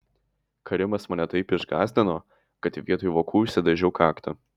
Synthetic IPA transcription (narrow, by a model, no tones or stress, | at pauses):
kɐɾʲɪmɐsmɐnʲɛt̪ɐɪpɪʒɡɑːzʲd̪ʲɪnoː | kɐt̪ʲɪʋʲiɛt̪oːjʋoːkuːʃʲsʲɛd̪ɐʒʲɛʊkɑːkt̪ɐ